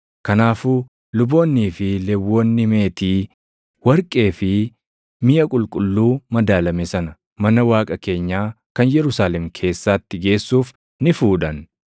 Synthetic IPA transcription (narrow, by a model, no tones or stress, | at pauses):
kɐnaːfuː | lʊbo̞ːnːiːfɪlɛwːoːnːɪme̞ːt̪iː | wɐɾkʼe̞ːfɪ | mɪʔɐkʼʊlkʼʊlːuːmɐd̪aːlɐmɛsɐnɐ | mɐnɐwaːkʼɐke̞ːɲːaː | kɐnjɛɾʊsaːlɛmkʰe̞ːsːaːt̪ːɪɡe̞ːsːuːf | nɪfuːᶑɐn